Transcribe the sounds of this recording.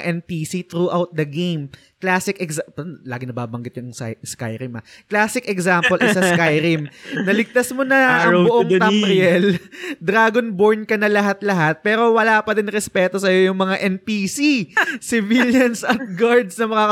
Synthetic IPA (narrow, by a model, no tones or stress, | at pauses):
ʔɛnpiːsit̪ɾuːʔawt̪̚d̪ɐɡejm | klaːsɪkɛkspɐlaːɡɪŋnɐbaːbɐŋɡɪt̪̚jʊŋska̰jɾɪmɐklaːsɪkɛɡsampolʔɪsɐskajɾɪmnɐlɪɡ̚t̪asmonɐɐŋbʊʔoŋɐmɾɪjɛld̪ɾaːɡonboɹnkɐnɐlɐɦat̪lɐɦat̪̚pɛːɾo̞wɐlaːpɐdɪnɾɛspɛːt̪o̞sɐjojʊŋmɐŋaʔɛnpiːsisɪviljɐnsɐt̪̚ɡaɹd̪snɐmɐkaː